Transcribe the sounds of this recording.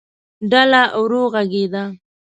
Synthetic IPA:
ɖalaʔwɾoɣaɡed̪a

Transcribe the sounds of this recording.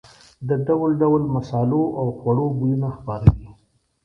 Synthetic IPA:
d̪əɖawlɖawlmasɑloʔawxwaɽobujunaxpɑɾawi

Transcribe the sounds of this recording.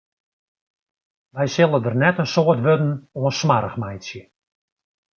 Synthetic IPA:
ʋɛjsɪlˠədərnɛtənsoːərtʋødn̩oənsmaɾəχmɛjtsjə

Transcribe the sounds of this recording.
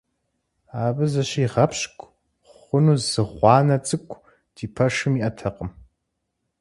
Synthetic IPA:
aːbɨzɐɕiːʁɐpʰɕkʷʼ | χʷʊnuːzɨʁʷɑːnɐt͡sʼɨkʷʰʼ | d̥ʰiːpʰɐʂɨmiːʔɐtʰɐqəm

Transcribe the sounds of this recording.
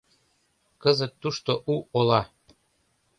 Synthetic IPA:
kɤzət̪ːuʃt̪oʔuʔolɑ

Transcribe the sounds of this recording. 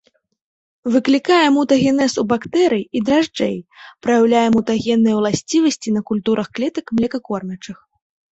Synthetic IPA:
vɨklʲikajɛmut̪ɐɣʲɛnɛsubakt̪ɛɾɨjid̪ɾaʐd͡ʐɛ̰jpɾɐjawlʲajɛmut̪ɐɣʲɛnːɨjwlˠasʲt͡sʲivɐsʲt͡sʲinɐkulʲt̪uɾʔɐxklʲɛt̪ɐkmlʲɛkɐkɔrnʲɐt͡ʂɨx

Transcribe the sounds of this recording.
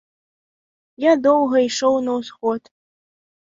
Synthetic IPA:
jad̪owɦɐiʂownɐwsχot̪

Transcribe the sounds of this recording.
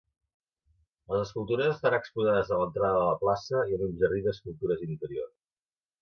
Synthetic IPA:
ləzəskulˠt̪uɾəzəst̪əɾanəkspuzaðəzðələnt̪ɾaðəðələplasəiəlimʒəriðəskulˠt̪uɾəzint̪əɾio̰rs

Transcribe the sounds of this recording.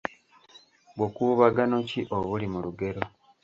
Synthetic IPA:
ɡokuβaɡano̞ciʔoβulimuluɡe̞ɾo̞

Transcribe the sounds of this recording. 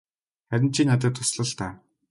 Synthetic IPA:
χæɾʲɪ̆n̥t͡ɕʰiːnːat̪̬ʲə̆ːt̪ʰːʊsɮə̆ɮt̪aː

